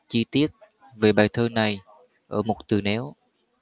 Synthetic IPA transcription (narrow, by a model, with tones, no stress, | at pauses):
t͡ɕi˧t̪i˦˥ət̚ | ve˨˩ɓaː˨˩jt̪ʰəː˧na˨˩j | ʔəː˧˩mo˨˩t̚t̪ɨ̰˨˩nɛ˨˦w